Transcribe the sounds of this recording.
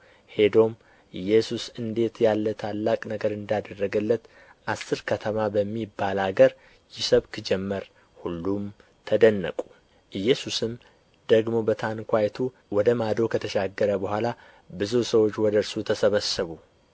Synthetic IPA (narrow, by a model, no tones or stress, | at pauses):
he̞d̪o̞m | ʔɨjːɛsusɨnd̪e̞t̪jalːət̪ʰalːakʼnəɡəɾɨnd̪ad̪ərːəɡəlːət̪ | ʔasːɨɾkʰət̪ʰəmabəmːibːalaɡəɾ | jɪsəβkʰɨd͡ʒɛmːəɾ | hulːum | t̪ʰəd̪ənːə̰kʼu | ʔɨjːɛsusɨm | d̪̥əɡmo̞bət̪ʰankʰʷajt̪ʰu | wɔd̪əmad̪o̞kʰət̪ʰəʃaɡːəɾəbəhʷala | bɨzusəwot͡ʃːwɔd̪əɾsut̪ʰəsəβəsəβu